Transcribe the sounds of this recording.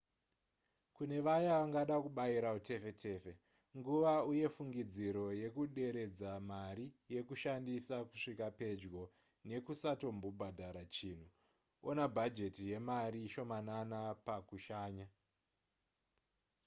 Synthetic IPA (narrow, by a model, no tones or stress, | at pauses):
kune̞ʋajaʋaŋɡaɗakuɓaiɾautʰe̞fe̞tʰe̞ːfe̞ | ŋɡuʋauje̞fuŋɡid͡ziɾo̞je̞kuɗe̞ɾe̞d͡zamaɾije̞kuʃandisakuʂikape̞d͡ʒɡo̞ | ne̞kusato̞mbobʱadʱaɾat͡ʃiːn̤u | onabʱad͡ʒe̞tije̞mariʃo̞mananapakuʃaːɲa